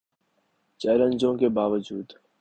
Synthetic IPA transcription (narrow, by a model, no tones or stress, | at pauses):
t͡ʃɛːlə̃nd͡ʒõːkebaːʋəd͡ʒuːd̪